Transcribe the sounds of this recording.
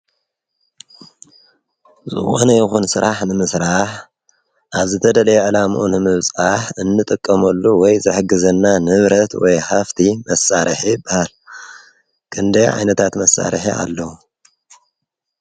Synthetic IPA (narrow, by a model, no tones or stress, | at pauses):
zɨ̰xonɐjɪxunsɨɾʔaħnɨmɨsɾaħ | ʔaβzɨt̪ʰɐd̪ɐlɐjʕɨlamʔunɨmɨβt͡sʼaħɨnːɨt̪ʼɨkʼːɐmɐlːuwɔjzɨħɨɡɨzɐnːanɨβɾɐt̪wɔjhaft̪ʰimɐsaɾɨħibahal | kʰʼɨnd̪ɐjʕa̰jnɐt̪ʰat̪mɐsːa̰ɾɨ̰ħiʔa̰lːɐwu